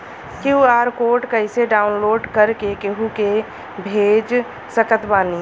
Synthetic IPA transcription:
kiuaːɾkoːʈkəɪseɖaːʊnloːɖkəɾkekeɦuke | bʱeːd͡ʒ | səkət̪baːni

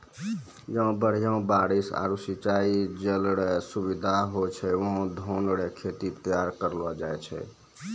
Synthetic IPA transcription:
jə̃bəɽ̤ijaũbaɾisa̰ɾusit͡ʃaid͡ʒelɽesubid̪ʱaɦot͡ʃʰɛʋəɦõd̪ʱonɽekʰet̪it̪əjaɾkəɾlɔd͡ʒajt͡ʃʰɛ̰

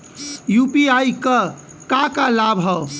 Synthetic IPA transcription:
jupiajkə | kakalabʱɦə

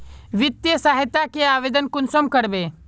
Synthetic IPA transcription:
ʋɪt̪jəsaːɦɪt̪ːakeaːʋeːd̪ənkʊnsomkəɾbeː

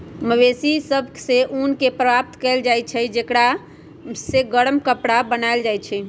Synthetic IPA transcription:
məʋesisəbʱkseʔunkepɾəbap̚t̪kɛld͡ʒajt͡ʃʰɛd͡ʒekɽa | seɡəɽəmkəpɽabənaeld͡ʒajt͡ʃʰɛ

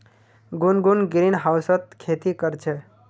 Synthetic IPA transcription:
ɡunɡunɡɾinɦawsət̪kʰet̪ikəɾt͡ʃʰɛ

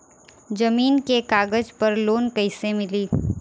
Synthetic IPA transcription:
d͡ʒɐmiːnkekaːɡəd͡ʒpɐɾloːnkəɪsemɪliː

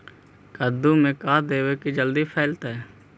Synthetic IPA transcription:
kəɾd̪ũːmẽkaːd̪eːʋekid͡ʒəld̪iːpʰɛːlt̪ɦɛː

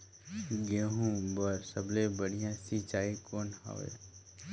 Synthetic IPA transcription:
ɡeːɦũbəɾsəblẽbəɽijãsit͡ʃaːikoːnɦa̰ʋḛ

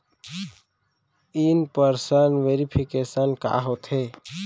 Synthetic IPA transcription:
iːnpəɾsənʋeːɾipʰikeːsənka̰ːɦoːt̪ʰeː

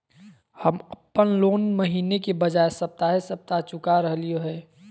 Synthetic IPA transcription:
həməpːənloːnməɦiːnekebəd͡ʒaːesəp̚t̪aɦesəp̚t̪at͡ʃʊkaɾəɦlioɦɛː

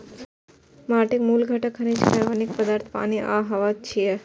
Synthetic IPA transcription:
maʈekmulɡʱəʈakʰanet͡ʃʰkaɾʋanik̚pəd̪aɾt̪ʰpa̰niʔa̰ɦaʋat͡ʃʰie

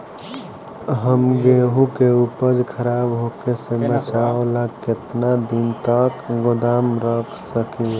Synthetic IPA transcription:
ɦəmɡeɦukeupəd͡ʒkʰəɾabɦokesebət͡ʃaolaket̪nad̪int̪əkɡod̪amɾəkʰsəki

